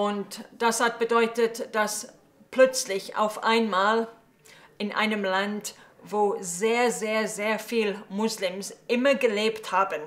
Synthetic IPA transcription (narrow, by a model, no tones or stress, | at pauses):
ʊntd̥ashat̚b̥ədɔʏtətd̥as | pʰlœt͡slɪça̰ʊfʔa̰ɪnmaːl | ʔɪnʔa̰ɪnəmlant | voːzeːɐzeːɐzeːɐfiːlmʊslɪmsʔɪmɐɡəleːpthaːbən